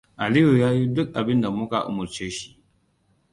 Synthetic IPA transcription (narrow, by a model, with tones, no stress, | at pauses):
ʔa˨li˦ju˨jaː˦ji˦dʊ˦k̚ʔa˨bɪ˦nda˨mʊ˦ka̰˨ʔʊ̰˨mʊ˨ɾt͡ʃeː˦ʃi̥˦ʔ